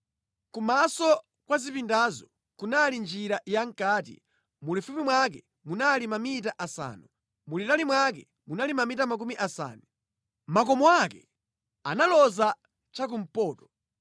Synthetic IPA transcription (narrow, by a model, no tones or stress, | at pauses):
kumasɔ | kwazipindazɔ | kunalind͡ʒiɾajaŋ̩kaːtḭ | mulifupimwak̬ɛ | munalimamitaʔasa̰ːnu | mulitalimwak̬ɛ | munalimamitamak̬umiʔasa̰ːni | makɔmɔakɛ | a̰nalɔza | t͡ʃak̬um̩pɔːtɔ̥